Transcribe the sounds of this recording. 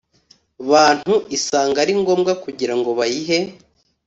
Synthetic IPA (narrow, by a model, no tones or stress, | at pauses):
βaːn̥huʔisaːŋɡaɾiŋɡo̞ːmɡakuɟiɾaŋɡo̞βajiɦe̞